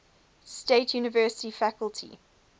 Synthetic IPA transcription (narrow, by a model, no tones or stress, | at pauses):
steɪtʰjuːnəvɜːˑsɪ̥tifakəltʰḭ